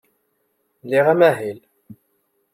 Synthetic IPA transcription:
liʁæmæɦil

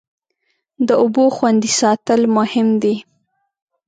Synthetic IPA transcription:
d̪əʊboxwand̪isɑt̪əlmʊhɪmd̪e

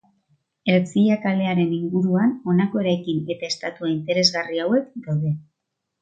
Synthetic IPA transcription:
e̞ɾt͡siʎakale̞aɾe̞niŋɡuɾuano̞nako̞e̞ɾajkine̞t̪aest̪at̪uaint̪e̞ɾe̞zɣariawe̞kd̪awðe̞

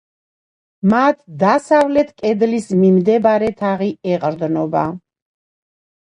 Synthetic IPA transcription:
mat̪ʰd̪asavlɛt̪ʰkʼɛd̪lismimd̪ɛbaɾɛt̪ʰaʁiɛqʼɾd̪nɔba̰

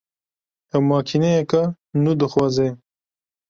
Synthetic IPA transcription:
ɐmɑːkʰinejekɐ | nud̪əxwaːze

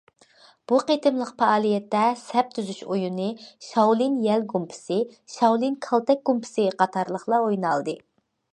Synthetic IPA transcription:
b̥uqet̪ʰɨmlˠəqpɑɑːlˠijɛt̪ːɛsɛp̚t̪ʰyzyʃojunɨʃɑwlˠinjɛlɡumpʰɪ̥sɨʃɑwlˠinkʰɑlˠt̪ɛk̚ɡumpʰɪ̥sɨqʰɑt̪ʰɑɾlˠəχlˠɑojnɑlˠd̪ɨ

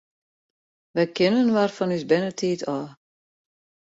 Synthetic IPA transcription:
ʋɛjkɪnənʋarfɔnysbɪnətʰiːtʰɔː

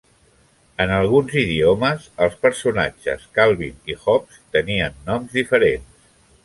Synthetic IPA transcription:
ənəlˠɣ̞unziðiɔməzəlˠspəɾsuna̰d͡ʒə̰skalˠβḭnixɔpst̪əniənːɔmzðifəɾens

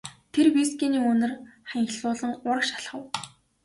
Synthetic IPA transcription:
t̪ʰerwiskiːniːɵnɘ̆rχaŋxɮʊːɮə̆ŋʊrə̆kʃḁɮχə̆w

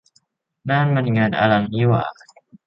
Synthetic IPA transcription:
nanmənŋana̰laŋiwa̰

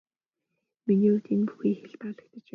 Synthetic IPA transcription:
miniːut̪enpu̥xiːxeɮp̪aɮə̆k̚t̪ə̆t͡ɕ

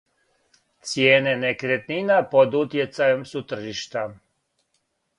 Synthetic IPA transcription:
t̪sjeːnenekɾet̪ninapod̪ut̪jet̪sajemsut̪r̩ʒiʃt̪a

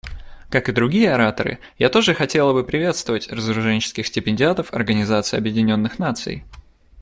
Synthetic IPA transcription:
kakɨd̪ɾʊɡʲijəɐɾat̪əɾɨ̰ | jat̪o̞ʐɨxɐtʲe̞lˠəbɨpɾʲɪvʲe̞t̪st̪vəvətʲrəzəɾʊʐɛnʲt͡ɕɪ̥skʲɪxsʲtʲɪpʲɪnʲdʲɪat̪əfɐ̰rɡənʲɪzat̪sɨɪɐbjɪdʲɪnʲo̞nːɨxnat̪sɨ̰j

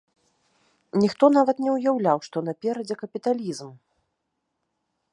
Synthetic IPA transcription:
nʲixt̪ɔnavɐt̪nʲɛwjawlʲawʂt̪ɔnɐpʲɛɾɐd͡zʲɛkɐpʲit̪alʲizm

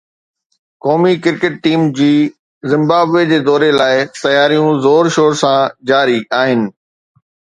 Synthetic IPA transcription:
kɔːmikɪɾkɪʈ̚ʈiːmd͡ʑiː | zɪ̃mbaːbʋed͡ʑeːd̪ɔːɾelaːɪt̪ɐjaːɾijũzoːɾʃoːɾsãd͡ʑaːɾiʔaːɦɪnɪ̆

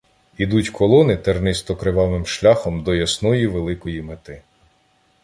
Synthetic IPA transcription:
id̪utʲkʰɔlˠɔnɪt̪ernɪst̪ɔkɾeʋɑʋɪmʃlʲaxɔmd̪ɔjɐsnɔjiʋelˠɪkɔjimet̪ɪ

